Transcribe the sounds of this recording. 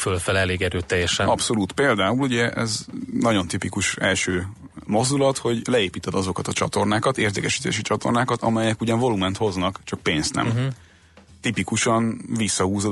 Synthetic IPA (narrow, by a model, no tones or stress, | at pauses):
følfɛlɛleːɡɛɾøːt̪ːɛjːɛʃɛnɒpso̞luːt̪peːld̪aːuluɟɛʔɛ̰znɒɟo̞nt̪ipikuʃɛlʃøː | mo̞zd̪ulɒt̪ho̞ɟlɛeːpiːt̪ɛd̪ɒzo̞kɒt̪ɒt͡ʃɒt̪o̞rnaːkɒt̪eːrd̪ekɛʃi̥ːt̪ḛːʃit͡ʃɒt̪o̞̰rnaːkɒt̪ɒ̰mɛjɛkuɟɒɱvo̞lumɛnt̪ho̞znɒkt͡ʃɒk̚peːnst̪nɛ̰m | t̪ipikuʃɒnvisːɒhuːzo